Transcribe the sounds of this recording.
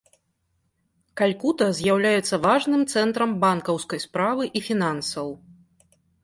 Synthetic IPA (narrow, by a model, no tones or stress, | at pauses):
kalʲkut̪ɐzʲjawlʲajɛt̪sːɐvaʐnɨmt̪sɛnt̪ɾɐmbankɐwskɐjspɾavɨʔifʲinansɐw